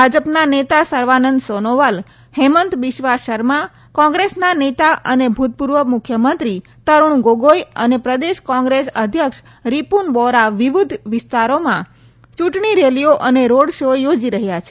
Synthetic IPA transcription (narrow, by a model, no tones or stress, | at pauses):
bʱad͡ʒəpnanet̪asəɾʋanənd̪sonoʋal | hemənt̪ʋɪʃʋaʃəɾmã | kɔ̃ŋɡɾesnanet̪aʔənebʱut̪̚puɾʋəmʊkʰjəmənt̪ɾi | t̪əɾuɳ̃ɡoɡojənepɾəd̪eʃkɔ̃ŋɡɾesə̰d̪ʱjəkʃ | ɾipunbɔɾaʋiʋud̪ʱʋɪst̪aɾomã | t͡ʃuʈɳiɾelijoʔəneɾoɽʃojod͡ʒiɾəɦjat͡ʃʰe